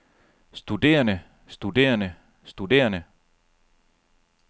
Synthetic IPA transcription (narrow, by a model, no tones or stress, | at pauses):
sd̥ud̥e̝̰ːɐnə | sd̥ud̥e̝̰ːɐnə | sd̥ud̥e̝̰ːɐnə